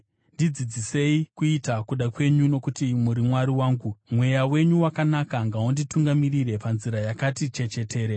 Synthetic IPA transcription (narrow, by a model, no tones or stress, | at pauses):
ndid͡zid͡zise̞ikuitakuɗakwe̞ɲuno̞kutimuɾimwaɾiwaːŋɡumwe̞jawe̞ɲuwakanakaŋɡaundituŋɡamiriɾe̞panziɾajakatit͡ʃe̞t͡ʃe̞te̞ːɾe